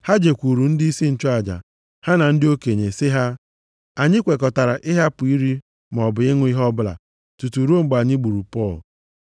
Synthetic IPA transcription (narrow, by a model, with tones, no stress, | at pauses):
ha˦d͡ʒe˨kʷu˨ɾu˨n̩˦dɪ˦i˦si˦n̩˨t͡ʃɔ˦a˨d͡ʒa̰˨ | ha˦na˨n̩˦dɪ˦o˦ke˨ɲe˨sɪ˦ɦa˦ | a˨ɲɪ˦kʷe˨kɔ˨ta˨ɾa˨ʔɪ˦ɦa˦pʊ˨i˦ɾi˦ | m˨ɔ˨bʊ˨ɪ˦ŋʷʊ˦i˦ɦɔ˦bʊ˦la̰˨ | tu˨tu˨ɾu˦o˦ŋ͡m̩˦ɡ͡ba˨ɲɪ˦ɡ͡bu˨ɾu˨pɔ˦˨l